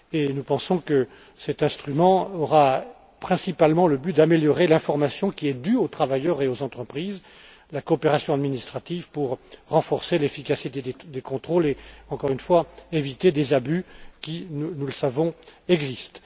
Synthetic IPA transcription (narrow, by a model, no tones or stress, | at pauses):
enupɑ̃sɔ̃kə | sɛt̪ɛ̃st̪χymɑ̃ɔʁa | pχɛ̃sipalmɑ̃ləbyd̪ameljɔʁelɛ̃fɔʁmasjɔ̃kʲiɛd̪yot̪χavajœʁeozɑ̃t̪χəpχiːz | lakɔːpeʁasjɔ̃ad̪minist̪χat̪ivpuʁʁɑ̃fɔʁselefikasit̪ed̪ed̪ekɔ̃t̪χoleɑ̃kɔʁynfwaevit̪ed̪ezabykʲinunuləsavɔ̃ɛɡzist̪